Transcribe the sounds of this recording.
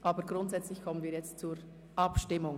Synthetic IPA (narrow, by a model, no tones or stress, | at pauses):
ʔɑːbəɾɡɾʊntz̥ɛt͡slɪçkʰɔmənviːɐjɛt͡stt͡suːɾ | ʔɑpʃtɪmʊŋ